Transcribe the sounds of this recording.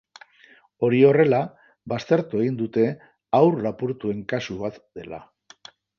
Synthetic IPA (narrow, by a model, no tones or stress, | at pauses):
o̞ɾio̞re̞la | βast̪e̞ɾt̪ue̞ɣ̞ind̪ut̪e̞ | awrlapuɾt̪ue̞ŋkasuβat̪d̪e̞la̰